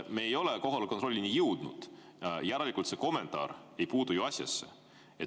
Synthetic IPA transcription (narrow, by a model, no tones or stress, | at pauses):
meejo̞leko̞ɦolko̞nt̪ro̞lʲːinijɯwd̪̥nṵd̪̥ | jæɾelikult̪se̞ko̞me̞nt̪ˑɑ̰ːɾe̞jpuːd̪ujuɑsʲjɑ̰sːḛ | et̪